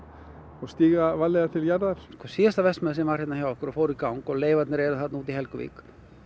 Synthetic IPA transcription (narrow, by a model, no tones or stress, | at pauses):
ɔst̪iːɣavalːeɣat̪ʰɪljaɾðaɾ̥skɔsist̪avɛst̪mɛðsiːnmarhɪt̪nahçjawhkɔɾɔfowɾikawŋkɔleːjvat̪nɛɾejɾaθat̪nuːt̪ihɛlkʏvʋḭːk